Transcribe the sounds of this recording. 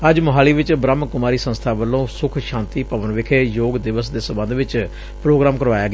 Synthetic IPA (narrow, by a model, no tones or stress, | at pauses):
əd͡ʒmʊɦaːliːʋɪt͡ʃbɾəmːkʊmaːɾiːsə̃nst̪ʰaːʋəlːõːsʊkʰʃãːnt̪iːpəʋənʋɪkʰeːjoːɡd̪ɪʋəsd̪eːsəmbə̃nd̪ʋɪt͡ʃ | pɾoːɡɾaːmkəɾʋaːjaːɡeː